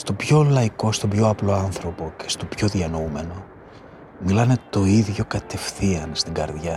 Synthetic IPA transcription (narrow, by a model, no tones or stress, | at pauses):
st̪o̞bço̞lɐiko̞st̪o̞bʝo̞ɐplo̞ɐnθɾo̞po̞ce̞̥st̪o̞pço̞ðiɐnoume̞no̞ | milɐne̞t̪o̞iðʝo̞kɐt̪e̞fθiɐnst̪iŋɡɐɾðʝɐ